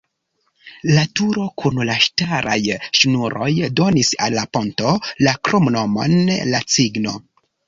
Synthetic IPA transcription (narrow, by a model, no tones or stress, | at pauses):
latuɾo̞kʰunlaʃtaɾʔa̰jʃnuɾʔo̞̰jdo̞nisalːapo̞nto̞lakɾomno̞mo̞̰nlat͡siɡno̰